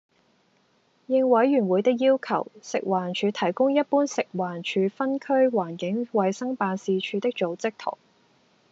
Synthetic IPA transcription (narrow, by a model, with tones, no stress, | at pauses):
jɪ˧ŋwɐ˨˥jɥyː˨˩nwuː˨˧jt̪ɪ˥k̬̚jiː˥wkʰɐ̰˨˩wsɪ˨k̚waː˨˩nt͡ʃʰyː˨˧t̪ʰɐ˨˩jkʊ˥ŋjɐ˥t̚puː˥nsɪ˨k̚waː˨˩nt͡ʃʰyː˨˧fɐ˥nkʰɵ˥ɥwaː˨˩nkɪ˨˥ŋwɐ˨˧jsɐ˥ŋpaː˧nsiː˨˧t͡ʃʰyː˨˧t̪ɪ˥k̚t͡ʃo˨˧wt͡sɪ˥k̚t̪ʰo̰˨˩ŋ